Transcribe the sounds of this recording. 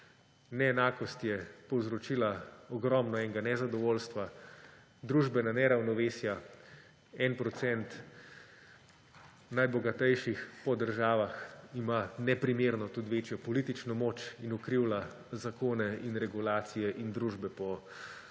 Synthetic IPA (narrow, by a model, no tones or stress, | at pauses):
nɛːnaːkɔst̪jɛpɔwzɾɔt͡ʃiːlaɔɡɾɔmnɔɛŋɡanɛzad̪ɔʋoːlst̪ʋa | d̪ɾuːʒbɛnanɛɾawnɔʋeːsja | ɛnpɾɔt̪sɛnt̪ | najbɔɡat̪ɛjʃixpɔd̪əɾʒaːʋaximanɛpɾimeɾnɔt̪ut̪ʋeːt͡ʃjɔpɔlit̪it͡ʃnɔmoːt͡ʃinukɾiwla | zakoːnɛinɾɛɡulaːt̪sijɛʔind̪ɾuːʒbɛpɔ